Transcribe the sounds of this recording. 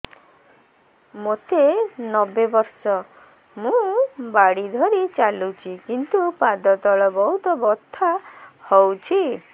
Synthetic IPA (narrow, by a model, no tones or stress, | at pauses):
mot̪enɔbebɔɾsɔ | mũbaɽid̪ʱɔɾit͡ʃalut͡ʃʰikint̪upad̪ɔt̪ɔɭɔbɔɦut̪ɔbɔt̪ʰːahɔwt͡ʃʰi